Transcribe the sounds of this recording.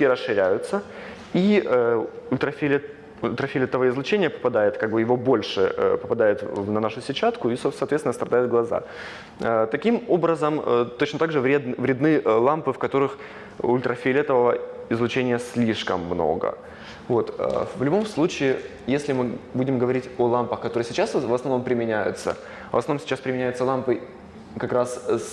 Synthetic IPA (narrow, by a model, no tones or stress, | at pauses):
iɾəsʂɨɾʲæjʊt̪sə | iəʊlʲt̪ɾɐfʲelʲ | ʊlʲt̪ɾɐfʲelʲɛt̪əvəɪzlˠʊt͡ɕenʲɪjəpə̥pɐd̪ajɪt̪kaɡ̚bɨjɪvo̞bo̞lʲʂɨ̰ə̰pəpɐd̪ajʊt̪vnɐnaʂʊsʲɪt͡ɕat̪kʊissɐːt̪vʲet̪ʲɪnəst̪ɾɐd̪ajʊt̪̚ɡlˠɐza̰ | ət̪ɐkʲimobɾəzəmət̪ot͡ɕnət̪aɡʐɨvɾʲed̪vɾʲɪd̪nɨlˠampɨfkɐt̪o̞ɾɨx | ʊlʲt̪ɾʔəfʲɪlʲɛt̪əvəvəɪzlˠʊt͡ɕenʲɪjəsʲlʲiʂkəmːno̞̰ɡə̰ | vo̞t̪ə̰vlʲʊbo̞mslˠut͡ɕɪː | jesʲlʲɪmɨbudʲɪmɡəvɐɾʲitʲolˠampəxkɐt̪o̞ɾɨjəsʲɪt͡ɕasvəsnɐvno̞mpɾʲɪmʲɪnʲæjʊ̰t̪sə̰ | əsɐvnomsʲɪ̥t͡ɕːaspɾʲɪmʲɪnʲæjʊt̪səlˠampɨ | kɐkɾass